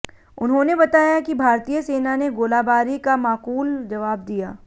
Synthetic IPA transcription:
ʊnɦõnebɐt̪aːjakibʱaːɾt̪ijəseːnaneɡoːlaːbaːɾikamaːquːld͡ʒɐʋaːb̚d̪ijaː

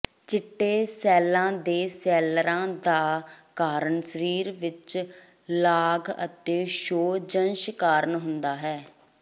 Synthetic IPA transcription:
t͡ʃɪʈːeːsɛːlãːd̪eːsɛːlɾãːd̪aːkaːɾəɳsəɾiːɾʋɪt͡ʃ | laːɡə̰t̪eːʃoːd͡ʒənʃkaːɾəɳɦʊnd̪aːɦɛː

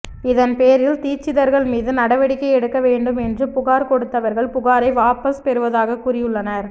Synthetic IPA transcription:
ɪðɐnpeːɾɪlt̪iːt͡ʃːɪðɐɾɣɐɭmiːðɯnɐɽɐʋɐɽɪkːɐɪɛɽɯkːɐʋeːɳɖɯmɛndrɯpʊɣaːɾkɔɽɯt̪ːɐʋɐɾɣɐɭpʊɣaːɾɐɪʋaːpɐspɛɾɯʋɐðaːɣɐkʊrɪjɯɭːɐnɐɾ

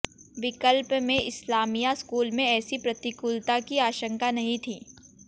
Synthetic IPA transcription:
ʋɪkəlpmẽʔɪslaːmijaskuːlmẽɛːsipɾɐt̪ɪkʊlt̪akiaːʃə̃ŋkanɐɦĩt̪ʰiː

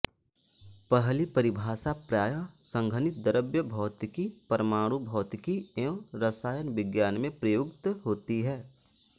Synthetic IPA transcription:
pəɦlipəɾɪbʱaːsapɾaːjəsə̃ŋɡʱənɪt̪̚d̪əɾəbjəbʱɔːt̪kipɐɾəmaːɽubʱɔːt̪kieõɾəsaːjənʋɪɡjaːnmẽpɾəjokt̪ɦoːt̪iɦɛː

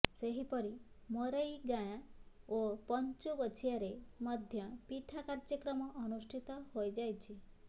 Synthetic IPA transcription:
seɦipɔɾi | mɔɾəjɡaj̃ãopɔɲt͡ʃuʋɔt͡ʃʰijaɾemɔd̪ʱjɔpiʈʰakaɾd͡ʒəkɾɔmɔʔːnusʈʰit̪ɔɦojd͡ʒajt͡ʃʰi

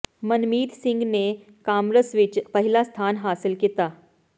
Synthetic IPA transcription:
mənmiːd̪siŋɡne | kamɾəsʋit͡ɕpəɦilast̪ʰanɦasəlkit̪a

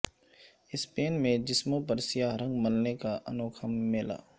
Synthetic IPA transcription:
ɪspeːnmẽd͡ʒɪsmõpɐɾsɪjaːɦɾɐ̃ŋɡmɐlnekaʔɐ̰noːkʰəmːeːla̰ː

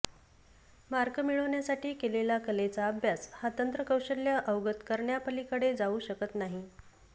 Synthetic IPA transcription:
maɾkəmiɭəʋɳjasaʈiːkelelakəlet͡saːbʱjashat̪ənt̪ɾəkəwɕəljaʔəwɡət̪kəɾɳjapəlikəɽed͡zauːɕəkət̪naɦi

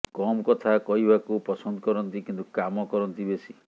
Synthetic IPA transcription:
kɔmkɔt̪ʰakɔɦibakupɔsɔnd̪ɔkɔɾɔnt̪ikint̪ukamɔkɔɾɔnt̪ibesi

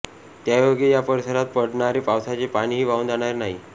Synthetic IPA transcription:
t̪jaʋəɡejapəɾisəɾat̪̚pəɽɳaɾepawsat͡ɕepaɽ̃iːɦiːʋaund͡zaɽ̃aɾenaɦiː

